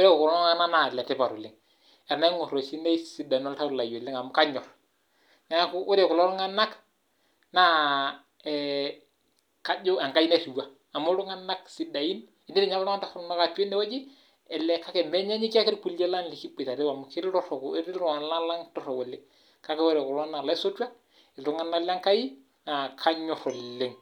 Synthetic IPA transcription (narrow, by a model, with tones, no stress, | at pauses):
ɾɛ˦kkʊ˨ɾɔ˦ŋa˦na˦na˨ɛ˨lɛ˨tɛ˦ba˨ɾu˨lɪ˦ŋ | ɛ˨ɾna˦ŋɔ˨ɾo˨si˦nɛ˦si˦da˨i˨nɔ˦lta˦˨la˨jo˨lɪ˦ŋa˨m˨ka˦ɲɔ˨ɾ | na˨˦kʊ˦ʊ˦ɾɛ˨kʊ˨lɔ˦ɾu˦ŋa˦nːa˦k | na˦ | ɛ | ka˦d͡ʒʊ˦a˨ŋka˦ji˦na˦tu˨wa˦ | a˨mu˦ɾu˦ŋa˦nːa˦ksi˦da˨ji˦n | i˨ni˦ɾi˨ɲa˦lla˦ta˦fɔ˦na˦ka˨tu˦e˦nːɛ˦wa˦d͡ʒi˦ | ɛ˨lɛ˨ka˦kɛ˨mɛ˦ɲa˦ɲi˦ki˦a˦ki˦ɾku˨le˦la˦nli˨ki˦bi˨ta˨ɾe˦wa˨m˨ki˦ɾɾɔ˦ɾɔ˨kɾi˦ɾɔ˨a˨la˦la˦ŋtɔ˦ɾɔ˨wo˨lɪ˦ | ka˦kɛ˦we˦ɾɛ˨ku˨ɾɔ˦a˦na˨la˦so˦tu˦a˦ | ɪ˨lɾu˦ŋa˦na˦la˦ŋka˦ji˦ | na˨kʰa˦ɲɔ˨ɾɔ˨lːe˨ŋ